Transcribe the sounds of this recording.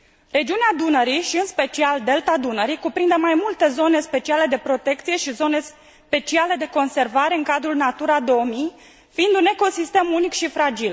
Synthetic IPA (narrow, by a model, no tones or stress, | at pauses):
ɾe̞d͡ʒiunead̪unəɾiʃiɨnspe̞t͡ʃiald̪e̞lt̪ad̪unəɾikupɾind̪emajmult̪e̞zo̞ne̞spe̞t͡ʃiale̞d̪e̞pɾo̞t̪e̞kt̪sije̞ʃizo̞ne̞s | pe̞t͡ʃiale̞d̪e̞ko̞nse̞rvaɾe̞ɨŋkad̪ɾulnat̪uɾad̪o̞omi | fiind̪une̞ko̞sist̪e̞munikʃifɾad͡ʒil